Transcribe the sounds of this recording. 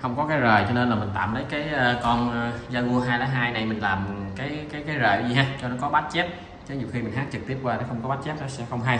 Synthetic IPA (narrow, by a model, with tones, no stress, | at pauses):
xə˧wŋ͡mkɔ˨˦kaː˨˦jzəː˨˩jt͡ɕɔ˧ne˧nlaː˨˩mï̟˨˩t̪a̰ː˧˨mləː˨˦jkaː˨˦jʔəː˧kɔ˧nː˧zaː˧ŋu˧əɦaː˧jlaː˨˦ɦaː˧jna˨˩jmï˨˩ŋ̟laː˨˩mkaː˨˦jkaː˨˦jkaː˨˦jzəː˨˩zi˨˩ɦaː˧˦t͡ɕɔ˧nɔ˨˦kɔ˨˦ɓa˦˥t̚t͡ɕe˦˥p̚ | t͡ɕə˨˦ɲi˨˩wxi˧mï˨˩ŋ̟ɦaː˦˥k̚t͡ɕɨ˨˩k̚t̪i˦˥əp̚kwaː˧nɔ˨˦xə˧wŋ͡mkɔ˨˦ɓa˦˥t̚t͡ɕe˦˥p̚nɔ˨˦sɛ̰˧˥xə˧wŋ͡mɦaː˧j